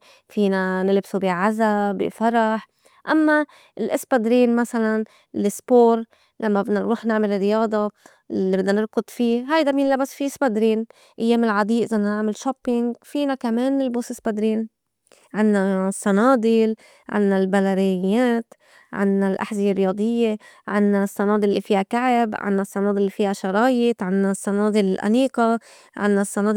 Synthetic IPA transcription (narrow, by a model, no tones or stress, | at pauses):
fiːnanɪlbsubiʕazabḭfɑɾˤɑħ | ʔamːa | ɪlʔɪspad̪ɾiːnmasalan | lɪspoːɾ | lamːabnnɾuːħnɪʕmɪlrːɪjɑːd̪ˤɑ | ibɪd̪ːnanɪɾkʊd̪ˤfiːɦajd̪abjɪnlːabasfiʔspad̪ɾiːn | ʔajːeːmɪlʕad̪ˤiːʔzanːanɪʕmɪlʃoːpːɪŋɡfiːnakameːnɪlboːsɪsbad̪ɾiːn | ʕɪnːasːɑnɑːd̪ˤɪl | ʕɪ̰nːalbalaɾɪjaːt̪ | ʕɪ̰nːalʔa̰ħzɪjerːɪjɑːd̪ˤɨjːeʕɪ̰nːasˤːɑnɑːd̪ˤɪllːḭfiːhakaʕɪbʕɪ̰nːasˤːɑnɑːd̪ˤɪlːifiːhaʃɑɾˤɑːjɪt̪ʕɪnːasˤːɑnɑːd̪ˤɪlɪlʔa̰niːqɑ | ʕɪ̰nːasːɑnɑːd̪